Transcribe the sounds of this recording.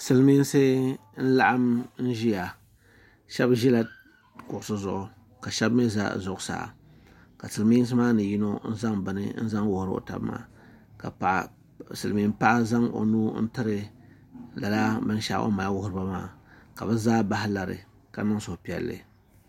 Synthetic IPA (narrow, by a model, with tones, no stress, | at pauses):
sɨ˨lmi˦n˦sɨ˦ | n̩˦la˦ʔa˦mn̩˦ʒi˦ja˨ | ʃɛ˦bʒi˦la˨ | kʊ˨ʔʊ˨sɨ˦zʊ˨ʔʊ˨ | ka˨ʃɛ˦bmi˦za̰˦˨zʊ˨ʔʊ˦sa̰ː˨ | ka˨sɨ˨lmiː˦n˦s̬ɨ˦maː˦nɨ˨ji˦no˦n̩˦za˦ŋbɨ˨nɨ̰˦n̩˦za˦ŋwʊ˨hʊ˨ɾɨ˦o̰˨ta̰˨bma̰ː˦ | ka˨a˨ | sɨ˨lmi˦mpa˦ʔa˦za˦ŋo̰˨nuː˦n̩˦tɨ˦ɾɨ˨ | la˨la˦bɨ˦n˦ʃa̰˦ʔo̰˦ma˨a˦wʊ˦hʊ˦ɾɨ˦ba˦maː˦ka˨bɨ˦zaː˦ba˦hɪ˦la˨ɾɨ̰˨ | ka˨nɨ˦ŋsʊ˨hpi˨ɛ̰˨lːɨ̰˨